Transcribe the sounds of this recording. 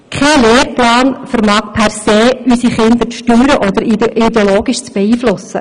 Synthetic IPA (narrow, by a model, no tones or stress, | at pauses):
kʰɛleːɾplɑːnfəɾmɑːkpʰɛrseːysiχɪnd̪əɾʃtyːɾəʔɔd̪əɾid̪eoloːɡiʃt͡sb̥ɛiːflʊsə̰